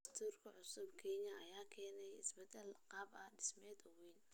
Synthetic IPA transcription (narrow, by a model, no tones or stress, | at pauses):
st̪ʰuːrkʰɐʕʊsʊbkʰɛɲɐʔɐjaːkʰɛːnɛjɪsbɛd̪ɛlqɑːbɐhɖɪsmɛːd̪ɔwɛjn